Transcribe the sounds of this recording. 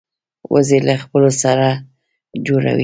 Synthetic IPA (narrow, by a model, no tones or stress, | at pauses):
wʔa̰zelaxpəlosaɾa | d͡ʒoɾa̰wi